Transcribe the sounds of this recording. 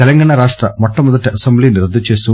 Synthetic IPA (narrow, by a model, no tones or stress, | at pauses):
t̪ɛlɐŋɡɐːɳɐɾaːʂʈɾɐmɔʈːɐmɔd̪ɐʈiɐsɐmbliːniɾɐd̪ʱːɐt͡ʃe̞ːst̪u